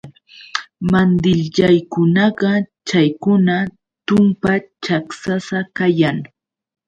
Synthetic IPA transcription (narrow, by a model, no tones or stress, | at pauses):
mand̪ɪʎʎajkʊnɑɢɑt͡ʃajkʊna | t̪ʊmpat͡ʃaksasakajaŋ